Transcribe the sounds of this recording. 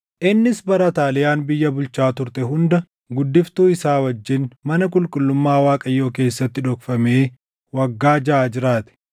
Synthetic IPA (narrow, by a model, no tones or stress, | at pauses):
ʔɪnːɪsbɐɾɐt̪aːlɪjaːnbɪjːɐbʊlt͡ʃaːt̪ʊɾt̪ɛɦʊnd̪ɐ | ɡʊd̪ːɪft̪uːɪsaːwɐd͡ʒːɪnmɐnɐk̬ʼʊlkʼʊlːʊmːaːwaːkʼɐjːo̞ːke̞ːsːɐt̪ːɪᶑɔkfɐmeː | wɐɡːaːd͡ʒɐaːd͡ʒɪɾaːt̪ɛ̥